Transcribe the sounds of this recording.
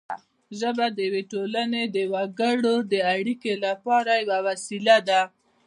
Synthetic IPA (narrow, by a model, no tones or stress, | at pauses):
ʒəbad̪əjaweʈolaned̪əwaɡəɽod̪əaɽikelapɑɾajawawasilad̪a